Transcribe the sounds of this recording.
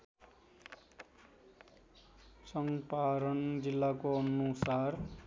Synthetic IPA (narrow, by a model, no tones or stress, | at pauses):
sʌŋpaɾʌnd͡zilːakoʌnusar